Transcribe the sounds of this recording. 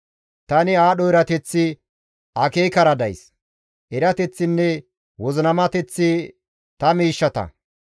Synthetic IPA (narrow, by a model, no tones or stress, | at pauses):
t̪ɐnɪaːɗɔɛɾɐt̪ɛt͡sːɪ | ʔɐkeːkɐɾɐd̪ɐjs | ʔɛɾɐt̪ɛt͡sːɪnːɛ | wɔznɐmɐt̪ɛt͡sːɪ | t̪ɐmiːʃːɐt̪ɐ̰